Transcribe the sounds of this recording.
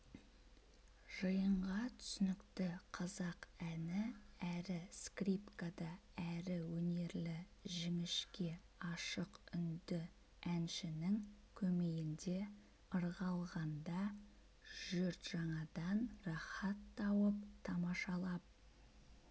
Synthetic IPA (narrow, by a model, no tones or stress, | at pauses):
ʒ̥əjəɴʁɑt̪ʰʏ̥sʏnɪkt̪ɪqʰɑzɑqænɪæɾɪskripkad̪ɑæɾɪwɵne̞ɾlɪʒɪmɪʃkʲe̞ | ɑʃəqʏnd̪ɪ | ænʃɪnɪŋkʲʰɵme̞ɡɪnd̪e̞ | əɾʁɑlˠʁɑnd̪ɑ | ʒ̥ʏɾt̪ʒ̥ɑɴɑd̪ɑnrɑχɑt̪ːɑwəp̚t̪ʰɑmɑʃɑlˠɑp̚